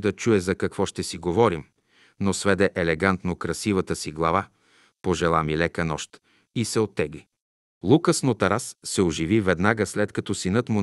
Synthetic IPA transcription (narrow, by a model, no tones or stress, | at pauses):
d̪ɐt͡ʃuɛzɐkɐkvɔʃt̪ɛsiɡovɔɾim | nosvɛd̪ɛʔɛlɛɡant̪nokɾɐsivət̪əsiɡlˠɐva | poʒɛlˠamilɛkənɔʃt̪ | isɛot̪ːɛɡli | lˠukəsnot̪ɐɾasːɛoʒivivɛd̪naɡəslɛt̪kɐt̪ɔsinɤt̪mʊ